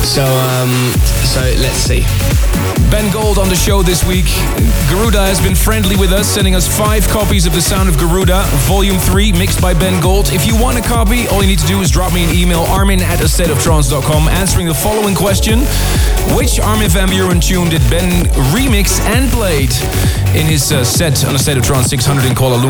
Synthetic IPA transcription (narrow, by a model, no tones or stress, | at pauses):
soʊʌ̃ | m | soʊlɨtsḭ | bɛ̃nɡoʊlˠtn̩ðɨʃoʊðɪswik | ɡ̥ə˞ʉɾəɨzbɨ̃nfɹɛ̃ndˡliwɨðʌsɛ̃ndɪ̃ŋʌsfaɪv̥kʰɑpizʌvðɨsãʊ̃ndʌvɡə˞ʉɾə | vɑlˠjʉ̃mθɹimɪksb̥aɪbɛ̃nɡoʊlˠdɨfjɨwɑ̃ñtɨkʰɑpiʔɔlˠjɨnid̚tʰɨdɨːzdɹɑp̚miɨ̃nimeɪlˠʔɑɹmɪ̃ŋɨɾɨsɛɾʌv̥tʰɹ̥ɑ̃nsdɑt̚kʰɑ̃mæ̃nsə˞ɪ̃ŋðəfɑlˠoʊɪ̃ŋkʰw̥ɛst͡ʃɨ̃n | wɪt͡ʃɑɹmivæ̃mbjəɹɨ̃ntʰʉ̃ndɨd̚bɛ̃nɹimɪksɨ̃npʰl̥eɪɾ | ɪ̃nɪz̥ | sɛɾ̃n̩əsɛɪɾʌv̥tɹ̥ɑ̃nsɪkshʌ̃ndɹə˞ɾɨ̃nkʰɔɑlˠəlũ